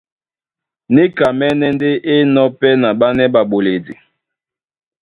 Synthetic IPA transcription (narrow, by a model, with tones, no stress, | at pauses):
ne˦ka˨mɛ˦nɛ˦nde˦ʔe˦nɔ˦pɛ˦na˨ba˦nɛ˦ba˨bo˨le˨dḭ˨